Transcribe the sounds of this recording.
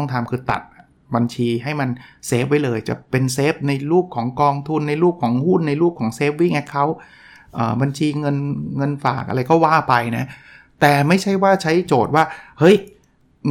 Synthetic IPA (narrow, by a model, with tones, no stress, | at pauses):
ɔ˥˩ŋt̪ʰaː˨˧mkʰɯː˧t̪a̰˨˩t̪̚ʔ | ba˧nt͡ɕʰiː˧ɦa˥˩jma˧nseː˦˥p̚wa˦˥jlɤː˧jt͡ɕa̰˨˩pe˧nseː˦˥p̚na˧jɾuː˥˩p̚kʰɔː˩˦ŋkɔː˧ŋt̪ʰu˧nːa˧jɾuː˥˩p̚kʰɔː˩˦ŋhu˥˩nːa˧jɾuː˥˩p̚kʰɔː˩˦ŋseː˦˥p̚wiː˦˥˩ŋʔɛ˦˥kʰa˦˥w | ʔɤ̰ː˨˩ba˧nt͡ɕʰiː˧ŋɤ˧nŋɤ˧nfa̰ː˨˩k̚ʔa̰˧ɾa˧jkɔː˥˩waː˥˩pa˧jna˦˥ | t̪ɛː˨˩ma˥˩jt͡ɕʰa˥˩jwaː˥˩t͡ɕʰa˦˥jt͡ɕoː˨˩t̪̚waː˥˩hɤ˦˥j